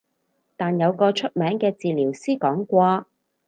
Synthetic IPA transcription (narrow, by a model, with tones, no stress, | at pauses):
t̪aː˨˩njɐ˨˧wkɔː˧t͡ʃʰɵ˥t̚mɛː˨˥ŋkɛː˧t͡siː˨liː˨˩wsiː˥kɔː˨˥ŋkʷaː˧